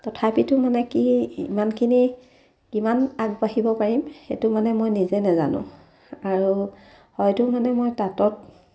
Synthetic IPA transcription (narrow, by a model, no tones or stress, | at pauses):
tɔtʰapitʊmanɛkiimankʰini | kimanaɡ̚baɦibɔpaɹimxetʊmanɛmojnizɛnaza̰nʊ̰̃ | aɹu | hɔjtʊmanɛmojtatɔt̚